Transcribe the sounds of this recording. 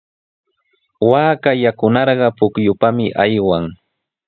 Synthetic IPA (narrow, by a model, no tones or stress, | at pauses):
waːkajakʊnɑɾɢɑpʊkjʊpamɪʔajwaŋ